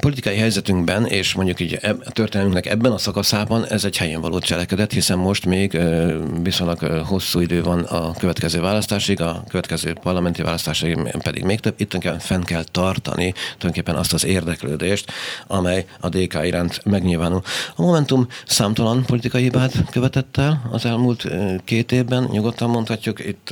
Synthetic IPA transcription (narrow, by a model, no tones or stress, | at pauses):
po̞lit̪i̥kɒjiɦɛjzɛt̪yŋɡbɛneːʃmoɲɟukiːɟɛt̪ørt̪eːnlmyŋknɛkɛ̰bːɛnɒsɒkɒsaːbɒnɛzɛɟhɛjeːɱvɒlo̰ːt͡ʃɛlɛkɛd̪ɛt̪hisɛmːo̞ʃt̪meːɡvisoɲlɒɡho̞sːuːid̪øːvɒnɒkø̞vɛt̪kɛzøːvaːlɒst̪aːʃiɡɒkøvɛt̪kɛzø̰ːpɒrlɒmɛnt̪iva̰ːlɒst̪aːʃiɡpɛd̪ḭɡmeːk̚t̪øbːit̪ːøoŋkeːpːɛɱfɛŋkɛlt̪ɒrt̪ɒ̰niujoŋkeːpːɛnʔɒst̪ɒzeːrd̪ɛkløːd̪eːʃt̪ɒmɛjɒd̪eːka̰ːiɾaːnt̪mɛɡɲilvaːnulɒmo̞mɛnt̪umsaːmt̪ɒlɒnpo̞lit̪ikɒjihibaːt̪kø̞vɛt̪ɛt̪ːɛlɒ̰zɛlmult̪keːt̪eːvbɛnɲuɡo̞t̪ːɒmːo̞nt̪hɒcːukit̪ː